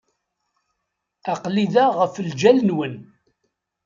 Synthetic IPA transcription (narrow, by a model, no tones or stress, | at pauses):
aqliðæʁəfəld͡ʒælnwən